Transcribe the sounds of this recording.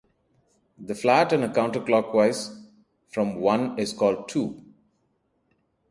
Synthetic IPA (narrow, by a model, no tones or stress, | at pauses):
d̪əflæʈæ̃nəkãʊ̃ɳʈəɾklɔːkʋaɪz | fɾɔ̃mwʌ̃nɪzkɔːlɖ̚ʈʰuː